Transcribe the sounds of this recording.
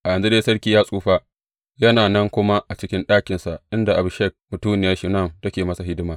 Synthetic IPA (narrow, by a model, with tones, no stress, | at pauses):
ʔa˨jɐ˨nzu˦deː˦jsɐ˦ɽkʲiː˨jaː˦sʼuː˦ɸa˦ | jɐ˦naː˨nɐ˦ŋkʷʊ˦ma˦ʔa˨t͡ʃɪ˦kʲɪ˦nɗaː˦kʲɪ˨nsa˨ʔʔɪ˦nda˨ʔa˨bʊ˨ʃɛ˦˨k̚mʊ˨tuː˦nɪ˨jaː˦ʃi˨nɐ˦˨mtɐ˦kʲeː˨mɐ˦sa˨ɦɪ˦dɪ˦maː˨